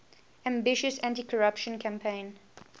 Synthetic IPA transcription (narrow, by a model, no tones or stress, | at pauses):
æ̃mbɪʃəsæ̃ntikʰɔɹapʃə̃nkʰæ̃mpʰẽɪ̃n